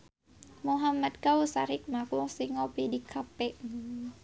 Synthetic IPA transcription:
muɦamat̪̚kausaɾɪk̚makusiŋɔpidikʰapɛʔ

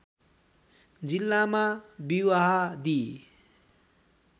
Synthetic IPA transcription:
d͡zilːamabiwaɦad̪i

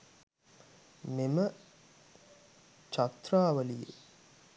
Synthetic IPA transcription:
memə | t͡ʃat̪raːʋəlijḛ

